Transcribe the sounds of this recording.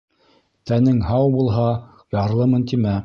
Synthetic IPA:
t̪ænɘŋhɑwbulˠɦɑ | jɑɾlˠɤmɵ̆nt̪imæ

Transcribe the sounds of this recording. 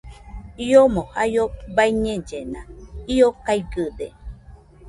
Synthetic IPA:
iomõhajobaiɲẽd͡ʒenãiokaiɡɨde

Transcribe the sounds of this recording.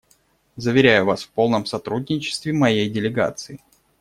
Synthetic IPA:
zəvʲɪɾʲæjʊvasfpo̞lˠnəmsɐt̪ɾudʲnʲɪt͡ɕɪ̥st̪vʲɪmɐjejdʲɪlʲɪɡa̰t̪sɨɪ

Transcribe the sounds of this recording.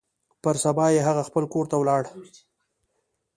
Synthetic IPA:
pəɾsabɑjeɦaɣaxpəlkoɾt̪awlɑɽ

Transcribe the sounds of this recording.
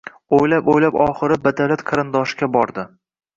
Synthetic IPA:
ojlapojlapɒχɨɾɪbad̪alat̪qʰɨɾɪnd̪ɒʃɡʲabɒɾd̪ɪ

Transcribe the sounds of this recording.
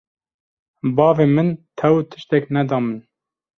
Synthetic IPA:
bɑːveːmɨnt̪ʰɛwt̪ʰɨʃt̪ɛknɛd̪ɑːmɨn

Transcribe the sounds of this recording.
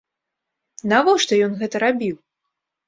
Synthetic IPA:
navɔʂt̪ɔjɔnɣɛt̪ɐɾabʲiw

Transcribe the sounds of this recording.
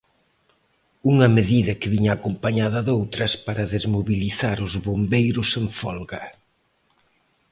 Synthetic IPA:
uŋɐmeðiðɐkɪβiɲaːkompaɲaðɐðowt̪ɾɐspaɾɐðezmoβiliθaɾʊzβombejɾʊseɱfɔlɣɐ

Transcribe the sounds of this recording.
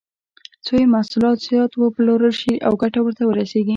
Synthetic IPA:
t͡sojemasulɑt̪z̥jɑt̪wəploɾəlʃiʔawɡaʈawəɾt̪awəɾaseɡi

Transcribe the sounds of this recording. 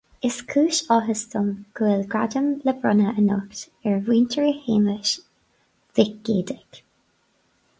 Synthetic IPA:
ɪskʰuːʃɔɦəst̪ɔmɡ̥uːlɡɹadəmləbɹɔnəʔənɔkt | ɛɹwiːntʰəɹiheːməʃ | v̥ɪk̚ɡ̥eːd̪ɪɡ̥

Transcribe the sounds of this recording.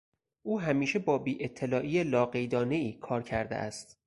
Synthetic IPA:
ʔuːɦæmiːʃe̞bɒːbiːʔet̪ʰːelɒːʔiːjelɒːɢejd̪ɒːne̞iːkʰɒːɾcʰæɾd̪ḛʔæ̰st̪

